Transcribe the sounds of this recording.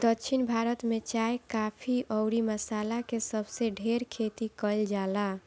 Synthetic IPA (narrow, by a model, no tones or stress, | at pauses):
d̪əkt͡ʃʰinbʱaɾət̪met͡ʃaekapʰiʔɔʊɾiməsalakesəbʱseɖʱeɾkʰet̪ikəld͡ʒala